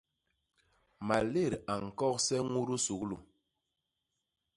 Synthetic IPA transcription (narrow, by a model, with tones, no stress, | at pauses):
ma˨le˦˨ɾa˨ŋ̩˨kɔ˦˨k̚sɛ˦ŋu˦ɾu˦su˨klu˨